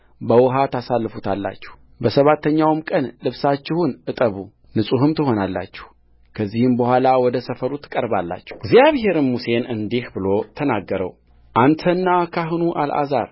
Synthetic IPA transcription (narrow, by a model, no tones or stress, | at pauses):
bəwɔɦat̪asalːɨfut̪ʰalːa̰t͡ʃːɪ̥h | bəsəβat̪ʰːəɲːawmkʼənlɨβsat͡ʃːɪhunʔɨt̪ʼəβu | nɨsʼuɦɨmt̪ʰɨho̞nalːa̰t͡ʃːɪ̥h | kʰəzːihɨmbəhʷalawɔd̪əsəfəɾut̪ːɨ̥kʼəɾbalːa̰t͡ʃːɛɡzjaβhe̞ɾɨnmuse̞nɨnd̪ihbɨlo̞t̪ʰənaɡːəɾə̰w | ʔant̪ʰənːakʰaɦɨnuʔa̰lʔa̰za̰ɾ